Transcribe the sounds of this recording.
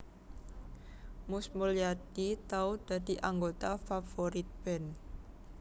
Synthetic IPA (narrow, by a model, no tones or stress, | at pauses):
mʊsmuljad̪it̪aud̪̥a̤d̪̥i̤ʔaŋɡot̪afafoɾit̪̚b̥ɛn